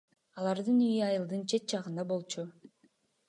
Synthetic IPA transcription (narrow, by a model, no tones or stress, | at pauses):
ɑlˠɑɾd̪ɯnyjyɑjɯlˠd̪ɯnt͡ʃʰe̞t̪̚t͡ʃʰɑʁɯnd̪ɑbo̞lˠt͡ʃʰu